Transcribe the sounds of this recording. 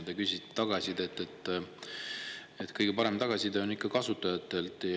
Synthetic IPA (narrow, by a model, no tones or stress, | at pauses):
d̪ekysʲit̪t̪ːɑɡ̥ɑsʲid̪e̞t̪ːˑet̪ˑː | et̪kɤjɡ̥e̞pɑɾe̞mt̪ɑɡ̥ɑsʲid̪eonikːɑkɑsut̪ːˑɑjɑt̪ːˑe̞lt̪ˑ